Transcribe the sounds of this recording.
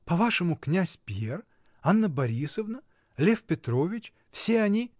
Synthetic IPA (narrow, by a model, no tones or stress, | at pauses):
pɐvaʂɨmʊknʲæsʲpʲer | anːəbɐɾʲisəvnə | lʲefpʲɪt̪ɾo̞vʲɪt͡ɕ | fsʲeɐnʲi